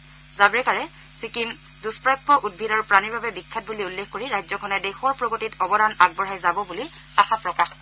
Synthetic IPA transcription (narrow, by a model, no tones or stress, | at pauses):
zabɹɛkaɹɛ | sikim | duspɹajpːɔʔud̚bʱidaɹupɹaniɹbabɛbikʰːat̚buliulːexkoɹiɹajzɔkʰɔnɛdexɔɹpɹoɡotitɔbɔdanaɡ̚bɔɹɦajzabɔbuli | axapɹɔkax